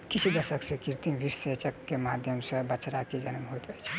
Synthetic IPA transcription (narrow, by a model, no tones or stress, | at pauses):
kit͡ʃʰid̪əsəksẽkiɾt̪iʋiɾset͡ʃəkːemad̪ʱjəmsẽbət͡ʃɾakid͡ʒənmɦot̪d͡ʒəjt͡ʃʰɛ̥